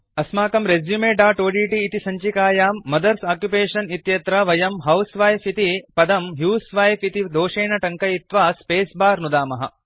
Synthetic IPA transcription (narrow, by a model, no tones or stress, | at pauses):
ɐsmaːkɐmɾezjumeːɖaːʈoːɖiːʈiːt̪isɐɲt͡ʃikaːjaːmːɐd̪ɐɾsaːkjupeːʂɐnit̪jɐt̪ɾɐʋɐjɐmɦɐwsʋaːjfit̪ipɐd̪ɐmɦjuːsʋaːjfit̪id̪oːʂeːnɐʈɐŋkɐjit̪ʋaːspeːsbaːɾnud̪aːmɐɦɐ̰